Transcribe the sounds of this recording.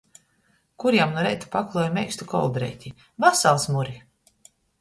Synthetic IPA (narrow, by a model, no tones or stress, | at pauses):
kuɾjamnuɔɾɛjt̪u̥pakulˠɔjmɛjkst̪ukɔ̰lˠd̪ɾɛ̰jt̪ʲi | vasalˠsmuɾi